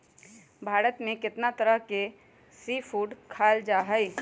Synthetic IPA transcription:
bʱaːɾət̪mẽkɪt̪nat̪ɐɾəɦke | siːfʰuːɖkʰaːld͡ʒaːɦɛi

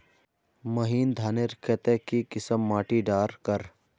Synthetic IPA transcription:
məɦiːnd̪ʱaːneɾkʰeːt̪ekikɪsəmːaːʈiɖaːɾkəɾ

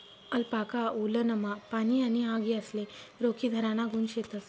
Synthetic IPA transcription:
ɐlpaːkaulɐnɐmɐpaniɐniaːɡiɐsleɾoːkid̪ʱɐɾaːnaɡunʃet̪ɐs

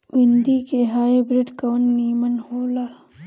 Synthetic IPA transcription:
ʋɪnd̪ikeɦaːebɾɪʈkɐːnːiːmənhoːləɾ

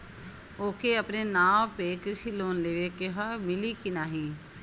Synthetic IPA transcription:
oːkeəpnenaːmpekɾɪʃiloːnleːʋekeɦamɪlikinaːɦĩː

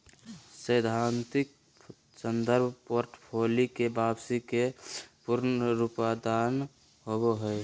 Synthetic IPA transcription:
səjd̪ʱant̪ik̚ | sənd̪əɾbʱpoːɾʈpʰoːlikebaːbsikepuɾnɾupad̪an | ɦoboɦəj

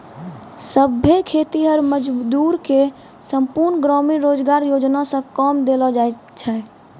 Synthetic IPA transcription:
səbʱːekʰet̪iɦəɾməd͡ʒd̪uɾke | səmpuɾnɡɾɔmiɾod͡ʒɡaɾjod͡ʒnasə̃kɔmd̪elɔd͡ʒae | t͡ʃʰɛ

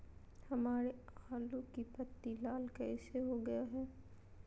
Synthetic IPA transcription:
hɐmaːɾeaːlõkipɐt̪ːilaːlkɛːseɦoɡɐjaɦɛː

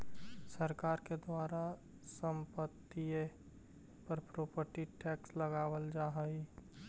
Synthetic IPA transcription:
səɾkaːɾked̪waːɾa | səmpət̪ːie | pəɾpɾoːpəɾʈiʈɛːksləɡaːʋəld͡ʒaɦəi

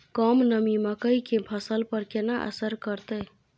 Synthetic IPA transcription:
kəmnəmiməkəjkepʰəsəlpəɾkenaʔə̰səɾkəɾt̪ə

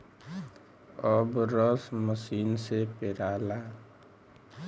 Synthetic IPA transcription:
ʌbɾʌsməsiːnsepeɾala

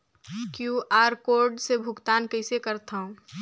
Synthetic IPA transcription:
kjuʔaːɾkoːɾɖsebʱʊɡt̪aːnkəɪsekəɾt̪ʰaːũ

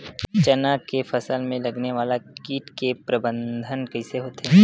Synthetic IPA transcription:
t͡ʃɐnaːkkefʰɐsəlmẽlɐɡneʋaːlakiːʈkepɾɐbə̃nd̪ʱənkɐɪseɦoːt̪ɦɛː

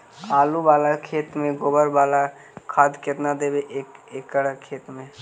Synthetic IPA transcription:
aːlubaːlakʰeːt̪mẽɡoːbəɾbaːla | kʰaːd̪kɪt̪nad̪eːbeʔekəɽəkʰːeːt̪mẽ

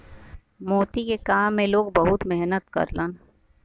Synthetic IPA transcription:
moːt̪ikekaːmːẽloːɡbɐɦʊt̪mɛɦnət̪kɐ̰ɾlən

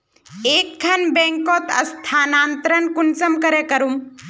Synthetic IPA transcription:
eːk̚ɡʰʱɐnbẽːŋkoːt̪ɐ̰st̪ʰaːnaːnt̪ɾənkʊnsɐmkɐɾekɐɾum

